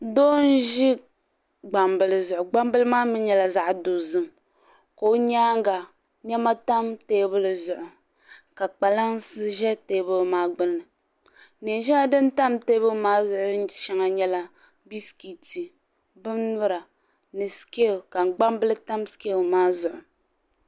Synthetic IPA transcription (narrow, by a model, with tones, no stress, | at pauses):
doː˦n̩˦ʒi˦ | ɡ͡ba˨mbɨ˨lɨ˨zʊ˨ʔʊ˨ɡ͡ba˦m˦bɨ˦lɨ˦maː˦mɨ˦ɲɛ˦la˨za˨ʔdo˨zɨ˦m | ko˨˦ɲaː˦ŋ˦ɡa˨ | ɲɛ˦ma˦ta˦mteː˦bɨ˦lɨ˨zʊ˨ʔʊ˨ | ka˨k͡pa˨la˦n˦sɨ˦ʒɛ˦teː˦bɨ˦lmaː˦ɡ͡bɨ˦nːɨ˨ | ne˨ʒɛ˦la˨dɨ˦n˦ta˦mteː˦bɨ˦maː˦zʊ˨ʔʊ˦ɨ˦ʃɛ˦ŋa˨ɲɛ˦la˦ | bi˦ski˨ti˨ | bɨ˦mnʊ˦ɾa˨ | nɨ˨ske˦˨ka˨ŋ˨ɡ͡ba˦mbɨ˦lɨ˦ta˦mske˦˨maː˦zʊ˨ʔʊ˨